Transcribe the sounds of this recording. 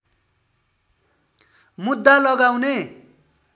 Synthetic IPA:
mud̪ːalʌɡawne

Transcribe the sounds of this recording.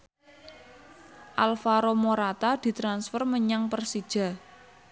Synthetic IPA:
ʔalfaɾomoɾat̪ad̪̥i̤t̪ɾansfɔrməɲaŋpərsid̥ʒ̥a̤

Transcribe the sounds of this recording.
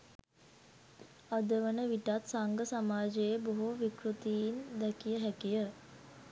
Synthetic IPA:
ad̪əʋənəʋiʈat̪saŋɡəsamaːd͡ʒejeboɦuʋikɾut̪iind̪ɛkijəɦækijə

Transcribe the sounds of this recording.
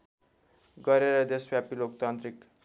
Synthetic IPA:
ɡʌɾeɾʌd̪esbjapilokt̪ant̪ɾik

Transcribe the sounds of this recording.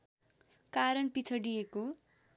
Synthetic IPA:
kaɾʌnpit͡sʰʌɖijeko

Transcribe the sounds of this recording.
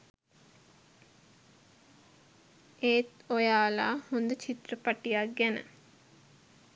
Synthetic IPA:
eːt̪ojaːla̰ːhond̪ət͡ʃʰit̪rəpaʈijak̚ɡænə̰

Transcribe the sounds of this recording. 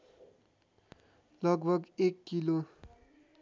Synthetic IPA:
lʌɡbʱʌɡekːilo

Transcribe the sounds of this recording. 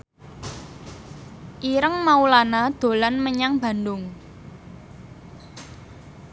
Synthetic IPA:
ʔiɾəŋmaulanad̪̥o̤lanməɲaŋb̥a̤ndʊŋ

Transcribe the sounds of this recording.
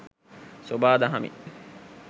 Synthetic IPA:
sobaːd̪ɐɦɐmḭ

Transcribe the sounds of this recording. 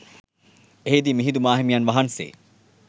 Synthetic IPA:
eɦed̪imiɦid̪umaːɦimijɐnʋɐɦɐnsḛː

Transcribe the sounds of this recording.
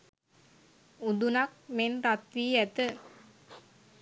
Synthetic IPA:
ud̪unɐk̚menɾat̪ʋiːæt̪ə

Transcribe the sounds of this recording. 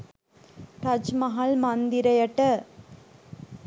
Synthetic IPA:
tɐd͡ʒmɐɦɐlmɐnd̪ɪɾɐjɐʈːɐ

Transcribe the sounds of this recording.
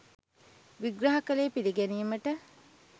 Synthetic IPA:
ʋiɡrɐɦɐkəleːpiliɡænijməʈə

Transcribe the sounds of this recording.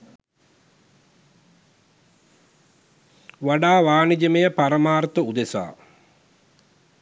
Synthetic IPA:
ʋaɖaːʋaːnid͡ʒəmejəpaɾəmaːrt̪əud̪esa̰ː

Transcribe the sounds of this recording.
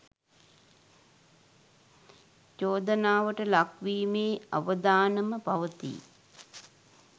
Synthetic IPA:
t͡ʃoːd̪ənaːʋəʈəlakʋiːmeːa̰ʋəd̪aːnəməpaʋət̪ḭ

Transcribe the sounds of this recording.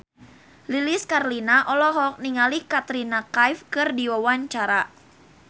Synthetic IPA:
liliskarlinaʔɔlɔɦɔk̚niŋalikat̪ɾinakajfkɨrdiwawaɲt͡ʃaɾa

